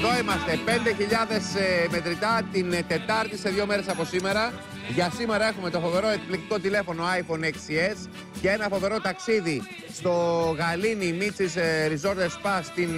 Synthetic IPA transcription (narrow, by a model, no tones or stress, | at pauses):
ðoimɐst̪e̞pe̞nd̪e̞çiʎɐðe̞seme̞t̪ɾit̪ɐt̪int̪e̞t̪ɐɾt̪ise̞ðʝo̞me̞ɾe̞sɐpo̞sime̞ɾɐ | ʝɐsime̞ɾɐe̞xume̞t̪o̞fo̞ve̞ɾo̞e̞kiplekt̪iko̞t̪ile̞fo̞no̞ɐjfo̞neksie̞s | cee̞nɐfo̞ve̞ɾo̞t̪ɐksiði | st̪o̞ɣɐlinimit͡sisɾizo̞ɾt̪espɐst̪in